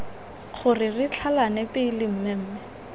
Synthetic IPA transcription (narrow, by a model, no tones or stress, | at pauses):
χʊrɪrit͡ɬʰalanɛpɪilɪm̩mɛm̩ːmɛ